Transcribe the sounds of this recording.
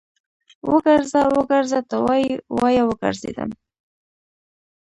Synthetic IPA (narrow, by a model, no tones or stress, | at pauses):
wəɡaɾzawəɡaɾzat̪əwɑjwɑjawəɡa̰ɾzḛd̪a̰m